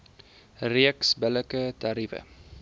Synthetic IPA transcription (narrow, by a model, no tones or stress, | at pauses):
riəksbələkətɐɾifə̰